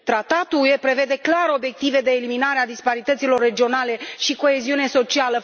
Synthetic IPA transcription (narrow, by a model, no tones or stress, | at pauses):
t̪ɾat̪at̪uuje̞pɾe̞ve̞d̪e̞klaɾo̞bje̞k̚t̪ive̞d̪e̞ːliminaɾead̪ispaɾit̪ət̪silo̞rːe̞d͡ʒio̞nale̞ʃiko̞e̞ziune̞so̞t͡ʃialə